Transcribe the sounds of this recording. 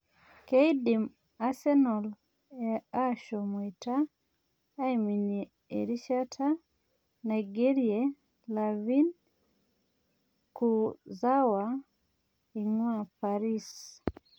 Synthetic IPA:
kɛjdim | asɛnɔl | ɛaʃɔmwitaː | jmini | ḛɾiʃatʰa | najɡɛɾiɛ | lavin | kuzawa | iŋwapaɾis

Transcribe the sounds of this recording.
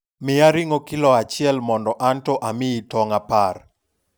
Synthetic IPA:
mɪaɾɪŋokɪlɔat͡ʃɪɛlmɔndɔʔantɔʔamɪitɔŋapar

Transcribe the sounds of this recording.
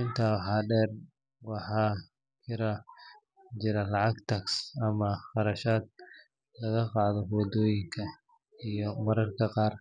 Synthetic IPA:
ʔɪnt̪ʰawħɑːɖɛːr | wɑħɑː | kʰɪɾɐ | t͡ʃɪɾɐlɑʕɑɡt̪ʰɐksɐmɐχɑɾɐʃaːd̪̚ | lɐɣɐqɑːðɔɦɔːd̪ɔːjɪŋkʰɐ | ijɔmɐɾɐrkʰɐqɑːr

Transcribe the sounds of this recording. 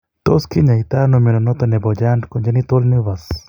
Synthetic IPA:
t̪oskiɲait̪anomɛnɔnɔt̪ɔnɛbɔd͡ʒandkoɲd͡ʒanit̪olnɪʋas

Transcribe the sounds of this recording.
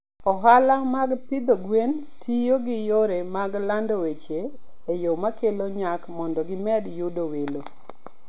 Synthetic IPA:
ɔɦalamaɡt̪ɪd̪oɡwen | tʰijoɡɪjoɾemaɡlandowet͡ʃeː | jomakeloɲakmɔndɔɡɪmɛdjʊdowelo

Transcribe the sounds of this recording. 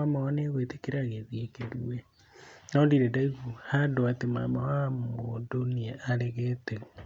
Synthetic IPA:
amawaneɣwetekeɾaɣeðiekeɾuwe | naodiɾedaiβuhadoatema̰mawamodoniaaɾeɣeteɣ

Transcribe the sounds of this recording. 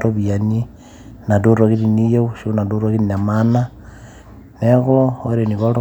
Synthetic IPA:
ɾoβiani | naduɾoɣiɾinijoʃiunaduɾoɣininamana | neɣooɾeniβalo

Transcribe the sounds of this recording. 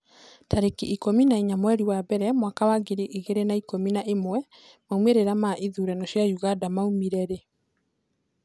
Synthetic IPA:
taɾekiʔikominaiɲamwɛɾiwabɛɾɛmwakawaɡeɾiʔiɣeɾenaikominaʔemwɛ | maumeɾeɾamaʔiðuɾɛnɔʃjajuɣadamaumiɾɛɾe

